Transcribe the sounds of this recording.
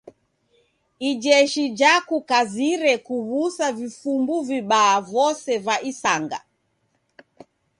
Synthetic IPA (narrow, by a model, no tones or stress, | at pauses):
id͡ʒɛʃid͡ʒakukaziɾɛkuβusavifumbuviɓaːvɔsɛvaʔisaŋɡa̰